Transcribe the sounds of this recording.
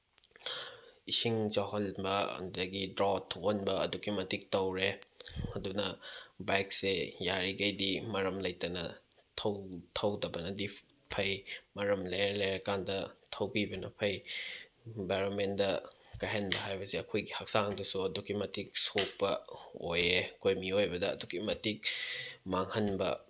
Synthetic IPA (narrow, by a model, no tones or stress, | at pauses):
isiŋd͡ʒaɦɐlbɐ̰dɐɡidɾatʰnbɐɐ̰duɡimɐtʰik̚tɐwɾeɐdunɐbajk̚sejaɾiɡɐjdimɐɾɐmlɐjtɐnɐ̰tʰɐwtʰɐwdɐbɐnɐdi | pʰɐjmɐɾɐmlejlejɐkandɐtʰɐwbibɐnɐ̰pʰɐj | baɾomendɐkɐjɦɐnbɐɦajbɐseɐkʰojɡihɐk̚saŋdɐsuɐduɡimɐtʰik̚sok̚pɐojekojmiojbɐdɐ̰ːduɡimɐtik̚maŋhɐnbɐ̰